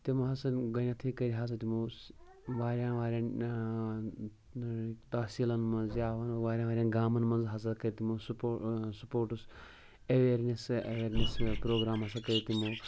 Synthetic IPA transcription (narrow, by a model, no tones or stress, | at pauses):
t̪imɐɦɐsɐnɡɐnat̪ʰikɐɾiɦaːs̬ɐt̪imo | ʋaːɾjãːnʋaːɾʲãːn | t̪ɐːsiːlɐnmɐ̃nzjaːʋɐnoʋaːɾʲjãːʋaːɾʲjaːnɡaːmɐnmɐ̃nzɦɐzɐɾkɐɾit̪imososupoːɾʈus | ɐʋeːɾnesɐʋeːɾnespɾoːɡɾaːmɐsɐkɐɾit̪imo